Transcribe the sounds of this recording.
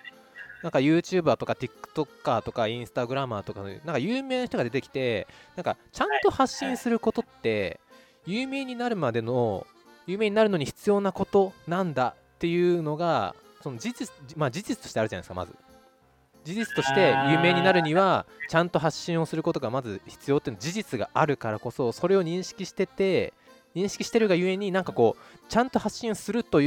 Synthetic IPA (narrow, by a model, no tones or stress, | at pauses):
nãŋkajɯ̟ːt͡ɕɨːbaːt̪o̞kat̪ʲikɯ̥t̪o̞kːaːt̪o̞kaĩɰ̃sɨ̥t̪aɡɯ̟ɾamaːt̪o̞kanonãŋkajɯːme̞ːnaçi̥t̪oɡad̪e̞t̪e̞kʲi̥t̪e̞nãŋka̰t͡ɕãnt̪o̞haɕːĩɰ̃sɨɾɯ̟ko̞t̪o̞t̪ːe̞ | jɯːme̞ːɲ̟inaɾɯ̟mad̪e̞no̞̰ | jɯ̟ːme̞ːɲ̟inaɾɯ̟noɲ̟içi̥t͡sɨjo̞ːnako̞t̪o̞nãnd̪at̪ːe̞jɯ̟no̞ɡa | so̞nod͡ʑid͡ʑimad͡ʑid͡ʑit͡sɨt̪oɕit̪eaɾ̟anaesɨ̥ka̰ma̰zɨ̰ | d͡ʑiʑit͡sɨ̥t̪o̞ɕi̥t̪e̞jɯ̟ːme̞ːɲ̟inaɾɯ̟ɲ̟iβat͡ɕãnt̪o̞ɦaɕːĩɰ̃o̞sɨɾɯ̟ko̞t̪o̞ɡamazɨçi̥t͡sɨjo̞ːt̪eiɯ̟nod͡ʑiʑit͡sɨɡa̰ʔaɾɯ̟kaɾako̞so̞so̞ɾe̞o̞ɲ̟ĩɰ̃ɕi̥kʲiɕi̥t̪e̞t̪e̞ | ɲ̟ĩɕi̥kʲi̥ɕi̥t̪e̞ɾɯ̟ɡajɯ̟e̞ɲ̟inãŋkako̞ːt͡ɕãnt̪o̞haɕːĩɰ̃sɨɾɯ̟t̪o̞j